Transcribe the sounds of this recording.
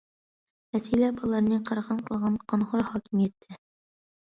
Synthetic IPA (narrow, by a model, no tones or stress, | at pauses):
æsilæbɒlˠɑɾnɤqɑɾʁɑnqɤ̆lˠʁɑnqɒnχoɾχɒkimjɘ̆t̪ːɘ